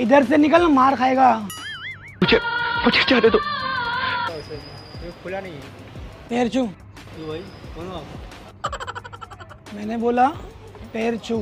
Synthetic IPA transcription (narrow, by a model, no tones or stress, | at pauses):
ɪd̪əɾsenɪkəlnamaːɾkʰaːeːɡaː | ʊd͡ʒʱemʊd͡ʒʰet͡ʃaɦd̪et̪o | seekʰolanaie | peːɾt͡ʃʰu | t̪ubʱaikona | mɛːneboːla | peːɾt͡ʃʰu